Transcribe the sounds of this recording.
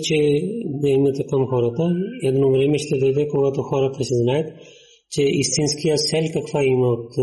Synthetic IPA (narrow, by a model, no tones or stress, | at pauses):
t͡ʃɛd̪ɛɛmnɛt̪əkɐmxɔɾət̪əɛd̪nɔvɾɛmɛʃt̪ɛd̪ojd̪ɛkoɡat̪oxɔɾək̪ɐsɛznajɛt̪ | t͡ʃɛist̪inskijəsɛlʲkɐkvaimɐot̪